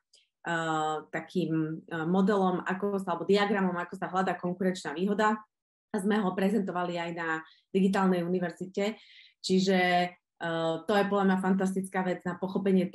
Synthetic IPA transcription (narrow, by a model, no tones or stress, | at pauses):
t̪akʰiːmːɔd̪ɛlɔma̰kɔsaalɛbɔd̪iaɡɾamɔmakɔsaɦlad̪aːkɔŋkuɾɛnt͡ʃnaːʋiːɦɔd̪a | zmɛɦɔpɾɛzɛnt̪ɔʋaliajna | d̪̥iɡit̪̬aːlˠnɛjuniʋɛɾzicɛ | t͡ʃiʒɛ | t̪ɔjɛpɔd̪lʎamɲafant̪̬as̬t̪it͡skaːʋɛd͡znapɔxɔpɛɲɪɛt̪